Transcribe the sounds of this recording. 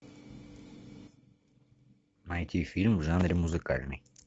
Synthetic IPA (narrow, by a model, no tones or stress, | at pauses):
mɐjt̪ʲifʲilʲmvʐanɾʲɪmʊzɨka̰lʲnɨ̰j